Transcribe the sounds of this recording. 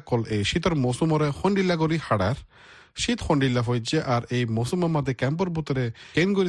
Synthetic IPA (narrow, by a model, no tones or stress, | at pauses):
kːɔlejʃit̪ɔɾmosumɔɾexɔɳɖilːakɔɾihaɽaɾ | ʃit̪xɔɳɖilːafɔjd͡ʒeʔaɾejmosumɔmad̪ʱekɛmp̬ɔɾbut̪ɔɾekenɡoɾi